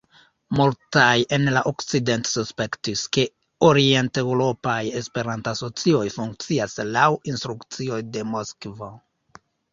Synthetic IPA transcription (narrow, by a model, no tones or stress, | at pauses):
multaje̞nlaʔokt͡side̞ntsuspe̞ktiske̞ | oɾie̞nte̞wɾo̞paje̞spe̞ɾantaso̞t͡sio̞jfuŋk̚t͡siaslawinst̪ɾukt͡sio̞jde̞mo̞skvo